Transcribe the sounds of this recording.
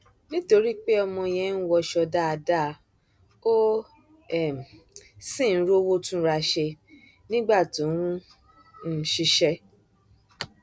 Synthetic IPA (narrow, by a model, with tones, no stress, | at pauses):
nĩ˦to˧ɾi˦k͡pe˦ɔ˧mɔ̃˧j̃ɛ̃˧˦n̩˦wɔ˧ʃɔ˧da˦a˧da˦˨˧ | o˦ | ɛ˦˨m̩˨ | sĩ˦˨n̩˦ɾo˦wo˦tũ˦ɾa˧ʃe˧ | nĩ˦ɡ͡ba˦˨tõ˨˦wũ˦ | n̩˦ʃi˧ʃɛ˧